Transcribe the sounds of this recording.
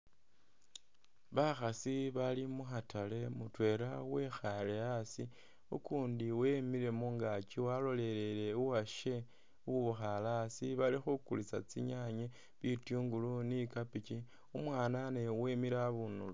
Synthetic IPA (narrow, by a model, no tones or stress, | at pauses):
βaxasiβalimuxatale̞mutwe̞ɾawe̞xaleasi | ṵkuːndiwe̞miɾe̞muŋɡat͡ʃiwalo̞le̞lele̞uwaʃe̞ | uβuxalasiβalixukulit͡sa̰t͡sḭɲaɲe | βitjuːŋɡulunikapit͡ʃi | umwaːnane̞we̞miɾaβunulu